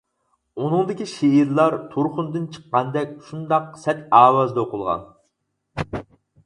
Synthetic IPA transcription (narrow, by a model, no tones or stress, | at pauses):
unɨŋd̪ɪkʲiʃeiɾlˠɑɾt̪ʰoɾχʊnd̪ɨnt͡ʃʰə̥qːɑnd̪ɛkʲʃund̪ɑq̚sɛt̪ɑːwɑzd̪ɑoqʊlˠʁɑ̰n